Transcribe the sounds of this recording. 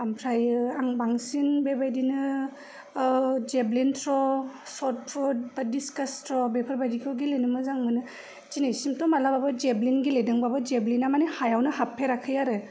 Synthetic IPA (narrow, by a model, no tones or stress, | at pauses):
ampʰɾajɯaŋbaŋsinbebajdinɯ | d͡ʒeblintʰɾɔsɔt̚pʰɾɔd̚badiskastʰɾɔbepʰɔɾbajdikʰɔɡilenɯmɯzaŋmɯnɯ | zinajsimtɔmalababɯd͡ʒeblinɡilejdɯŋbabɯd͡ʒeblinamanihajawnɯhapʰːeɾakʰːɯjaɾɯ